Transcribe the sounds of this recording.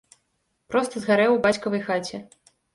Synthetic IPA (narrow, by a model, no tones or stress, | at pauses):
pɾɔst̪ɐzɣaɾɛwbat͡sʲkɐvɐjxat͡sʲɛ